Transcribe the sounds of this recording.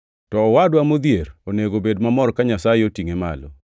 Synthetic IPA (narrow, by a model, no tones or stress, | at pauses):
tɔːwadwamod̪jeɾoneɡobedmamɔɾkaɲasajeotiŋema̰lɔ̰